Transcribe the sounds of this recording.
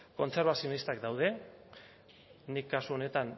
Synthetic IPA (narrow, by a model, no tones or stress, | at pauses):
ko̞nt͡se̞ɾβ̞asionist̪akd̪awð̞e̞ | nikːasuo̞ne̞t̪an